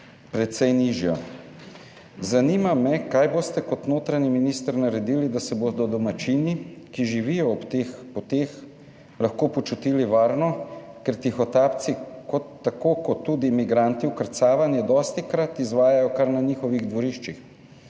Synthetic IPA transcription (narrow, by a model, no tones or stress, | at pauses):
pɾɛt̪sɛjniʒjɔ | zaniːmamɛkaːjboːst̪ɛkɔt̪noːt̪ɾaɲiminiːst̪əɾnaɾɛd̪iːlid̪asɛbod̪ɔd̪ɔmat͡ʃiːnikiʒiʋijɔːpt̪eːxpɔt̪eːx | laxkoːpɔt͡ʃut̪iːliʋaːɾnɔ | kɛɾt̪ixɔt̪aːpt̪sikɔt̪ːakoːkɔt̪ːuːd̪imiɡɾant̪iwkəɾt̪saːʋanjɛd̪ɔːst̪ikɾat̪izʋaːjajɔkaɾnaniːxɔʋiɣd̪ʋɔɾiʃt͡ʃix